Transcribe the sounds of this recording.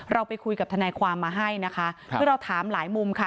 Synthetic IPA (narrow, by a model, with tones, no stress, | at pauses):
ɾʔa˧wpa˧jkʰu˧jka˨˩p̚t̪ʰa˧nɛː˧kʰwaː˧mːaː˧ɦa˥˩jna˦˥kʰa˦˥sʰɯː˥˩ɾa˧wt̪ʰaː˨˩˦mlaː˩˦jmu˧mkʰa˦˥˩